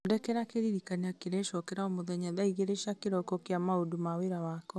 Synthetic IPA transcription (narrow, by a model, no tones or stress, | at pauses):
odɛkɛɾakeɾiɾikaneakeɾeʃɔkɛɾaɔmoðɛɲaðaiɣeɾeʃakeɾɔkɔkeamaodumaweɾawakɔ